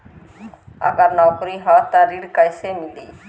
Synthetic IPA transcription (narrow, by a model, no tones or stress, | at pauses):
ɐ̰ɡəɾnakɾiɦat̪aɾiɽkəjsemilḭː